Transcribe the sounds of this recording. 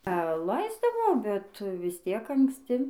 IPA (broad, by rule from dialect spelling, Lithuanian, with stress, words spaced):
ɐ ˈlˠɐɪzdɐʋoː bʲɛt ʋʲɪs ˈtʲiɛk ɐŋksʲˈtʲɪ